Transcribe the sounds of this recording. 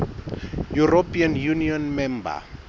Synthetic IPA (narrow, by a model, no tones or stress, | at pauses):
jurɔpʰianjuniɔnmɛmba̰